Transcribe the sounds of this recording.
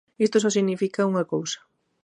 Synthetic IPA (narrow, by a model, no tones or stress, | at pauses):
ist̪osɔsiɣnifikauŋɐkowsɐ̥